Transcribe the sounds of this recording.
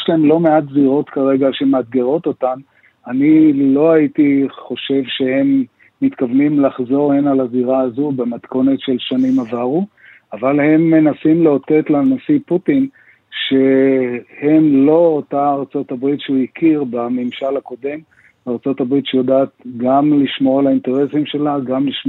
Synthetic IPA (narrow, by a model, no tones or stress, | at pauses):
ʃlaemlo̞me̞atziʁo̞t̪kaʁe̞ɡaʃemead̪ɡe̞ʁo̞t̪o̞tan | anilo̞ait̪iχo̞ʃe̞vʃe̞he̞mː | it̪kavnimlaχzo̞ʁhenalaziʁaːzubemat̪ko̞ne̞tʃe̞lʃanimavaʁu | avalhe̞mːe̞nasimleo̞te̞t̪lanosiputin | ʃe̞ | he̞mlo̞ːtaːʁt͡so̞tabʁitʃeuikʰiʁbamimʃalhako̞de̞m | aʁt͡so̞tabʁitʃejodaːt̪ɡamliʃmoalainte̞ʁe̞simʃe̞laɡamliʃ